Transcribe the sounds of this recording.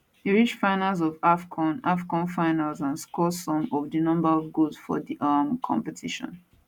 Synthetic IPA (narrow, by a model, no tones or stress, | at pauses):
iɹit͡ʃfãɪnalz̬ɔvafkʰɔ̃nafkɔ̃nfaɪnalzãnskɔsɔ̃mɔvdinɔ̃mbaɹɔvɡoz̥fɔ̰diʔamkʰɔ̰̃mpɛtʰiʃɔ̰̃n